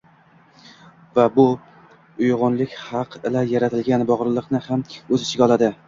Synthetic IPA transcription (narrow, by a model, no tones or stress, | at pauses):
vabʊ | ʊjʁʊnlɪkʲhɑqʰɪlajaɾat̪ʰɪlɡʲanbɒʁɾlˠɨqnɪhamɵzɪt͡ʃʰɪɡʲɒlˠad̪ɪ